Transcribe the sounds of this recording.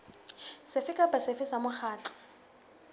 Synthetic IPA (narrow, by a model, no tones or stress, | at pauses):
sɪfɪkʼapʼasɪfɪsamʊχaːtɔ̥